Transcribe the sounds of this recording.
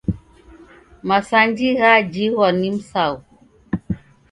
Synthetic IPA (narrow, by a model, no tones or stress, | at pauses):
masand͡ʒiɣad͡ʒiɣɔnimsaw